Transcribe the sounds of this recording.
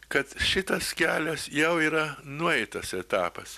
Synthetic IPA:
kɐt̪ʃʲɪt̪ɐskʲæːlʲɛsjɛʊiːɾɐnʊɛɪt̪ɐsɛt̪ɑːpɐs

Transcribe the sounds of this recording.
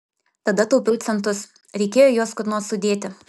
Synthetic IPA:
t̪ɐd̪ɐt̪ɔʊpʲɪlʲt̪sʲɛnt̪ʊs | ɾʲɛɪkʲeːjoːjoːskʊɾnoːsʊd̪ʲeːt̪ʲɪ

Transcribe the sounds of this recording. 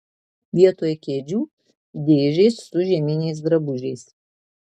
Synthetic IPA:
ʋʲiɛt̪oːjʊkʲeːd͡ʒʲuː | d̪ʲeːʒʲɛɪssʊʒʲiɛmʲɪnʲɛɪs̬d̪ɾɐbʊʒʲɛɪs

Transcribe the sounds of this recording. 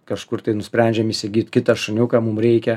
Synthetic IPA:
kɐʃkʊrt̪ɐɪnʊsʲpʲɾʲɛnʲd͡ʒʲɛmisʲɛɡʲiːt̪ʲkʲɪt̪ɐʃɐnʲuːkɑːmʊmɾʲɛɪkʲɛ

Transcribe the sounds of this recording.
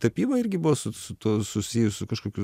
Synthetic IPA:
t̪ɐpʲiːmɐɪrʲɡʲɪbʊʋoːsʊsʊt̪uɔsʊsʲijʊssʊkɐʃkoːkʲʊ

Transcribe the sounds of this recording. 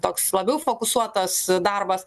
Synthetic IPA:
t̪oːkslˠɐbʲɛʊfoːkʊsuɔt̪ɐsd̪ɐrbɐs

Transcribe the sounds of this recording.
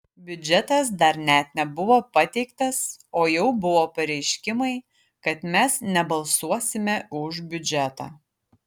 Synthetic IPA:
bʲʊd͡ʒʲɛt̪ɐs̬d̪ɐɾnʲɛt̪̚nʲɛbʊʋoːpɐt̪ʲɛɪkt̪ɐsoːjɛʊbʊʋoːpɐɾʲɛɪʃʲkʲɪmɐɪ | kɐt̪mʲɛsnʲɛbɐlˠsuɔsʲɪmʲɛʊʒbʲʊd͡ʒʲɛt̪ɑ̰ː

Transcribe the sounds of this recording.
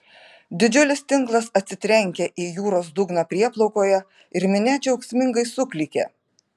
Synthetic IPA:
d̪ʲɪd͡ʒʲʊlʲɪst̪ʲɪŋˑklˠɐsɐt̪ʲsʲɪt̪ʲɾʲɛŋʲkʲɛʔiːjuːɾoːs̬d̪ʊɡnɑpʲɾʲiɛplˠɔʊkoːjɛ | ɪɾmʲɪnʲæːt͡ʃʲɐʊksʲmʲɪŋɡɐɪsʊklʲɪkʲḛ

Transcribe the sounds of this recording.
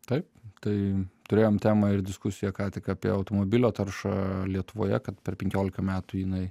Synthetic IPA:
t̪ɐɪpt̪ɐɪt̪ʊɾʲeːjoːmt̪ʲæːmɐɪɾd̪ʲɪskʊsʲɪjɛkɑːt̪ʲɪkɑːpʲiɛ̰ɐʊt̪oːmoːbʲɪlʲoːt̪ɐɾʃɑlʲiɛt̪ʊʋo̰ːjɛ̰kɐt̪pʲɛɾpʲɛŋʲkʲoːlʲɪkɐmʲæːt̪ʊjɪnɐɪ

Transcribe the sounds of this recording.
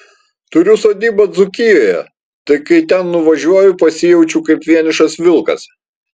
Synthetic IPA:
t̪ʊɾʲʊsoːd̪ʲiːbɐd̪zʊkʲɪjoːjɛ̰ | t̪ɐɪkɐɪt̪ʲɛnːʊʋɐʒʲuɔjʊpɐsʲɪjɛʊt͡ʃʲuːkɐɪpʋʲiɛnʲɪʃɐsʋʲɪlˠkɐ̰s

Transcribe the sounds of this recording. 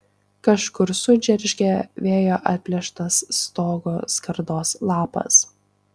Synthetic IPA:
kɐʃkʊɾsʊd͡ʒʲɛɾʲʒʲɡʲɛʋʲeːjoːʔɐt̪̚ʲpʲlʲɛʃt̪ɐst̪oːɡoskɐɾd̪oːslˠɑːpɐ̰s

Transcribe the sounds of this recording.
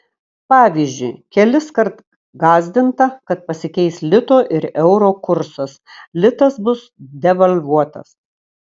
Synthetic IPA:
pɑːʋʲiːzʲd͡ʒʲʊɪkʲɛlʲɪskɐɾt̪ | ɡɑːzʲd̪ʲɪnt̪ɐkɐt̪̚pɐsʲɪkʲɛɪslʲɪt̪oːʔɪɾɛʊɾoːkʊɾsɐslʲɪt̪ɐsbʊsd̪ʲɛʋɐlʲʋuɔt̪ɐ̰s

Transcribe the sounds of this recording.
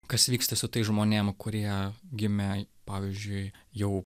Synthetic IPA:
kɐsʋʲiːkst̪ɐsʊt̪ɐɪʒmoːnʲeːmkʊɾʲiɛɡʲɪmʲɛpɑːʋʲizʲd͡ʒʲʊɪjɛʊ

